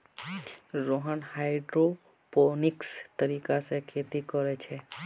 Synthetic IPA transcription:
ɾoɦənhajɖɾo | ponikst̪əɾikasekʰet̪ikɔɾet͡ʃʰe

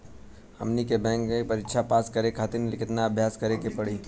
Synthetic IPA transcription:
hɐ̰mnikebɛ̃ːŋkepɐɾɪtːʃʰapaːskɐɾekʰaːt̪ɪɾnelɪkɪt̪naɐbʱjaːskɐɾekepɐɽiː

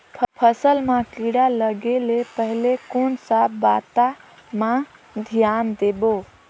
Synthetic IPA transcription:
pʰpʰəsəlmãkiɽaləɡelepəɦlekonsabat̪a | mã | d̪ʱijand̪ebo

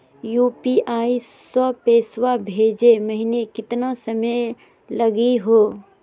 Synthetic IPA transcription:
juːpiʔaːisəpeːswabʱeːd͡ʒeməɦinekɪt̪nasəməj | lɐɡiɦoː

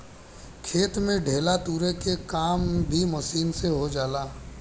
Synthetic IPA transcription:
kʰeːt̪mẽɖʱeːlat̪uːɾekekaːmbʱimɐsiːnseɦod͡ʒaːlaː

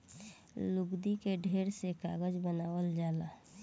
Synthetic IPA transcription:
luɡd̪ikeɖʱeɾseka̰ɡəd͡ʒbənaːwəld͡ʒaːla

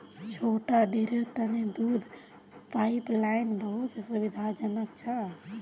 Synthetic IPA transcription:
t͡ʃʰoʈaɖeɾeɾt̪əned̪ud̪ʱ | paiplainbəɦut̪subid̪ʱad͡ʒənəkt͡ʃʰə

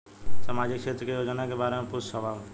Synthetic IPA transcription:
səmaːd͡ʒɪkʃeːt̪ɾəkejoːd͡ʒənakebaːɾemẽpʊssəʋaːl

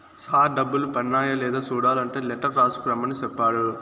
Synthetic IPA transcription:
saːɖɐbːulupɐɳːaːjɐlɛːd̪aːsuːɽaːlɐɳʈeːlɛʈːɐɾɾaːsu̥kɾɐmɐnit͡ʃɛpːaːɽu

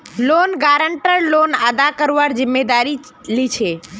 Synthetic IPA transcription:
lonɡaɾəɳʈəɾlonad̪akəɾʋaɾd͡ʒɪmːed̪aɾi | lit͡ʃʰe

